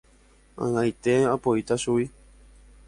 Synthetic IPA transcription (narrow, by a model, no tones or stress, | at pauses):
ã̰ŋãjt̪eapoit̪aʃui